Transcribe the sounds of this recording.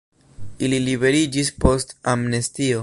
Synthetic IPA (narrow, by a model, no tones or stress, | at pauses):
ililibe̞ɾid͡ʒispo̞stamnestio̞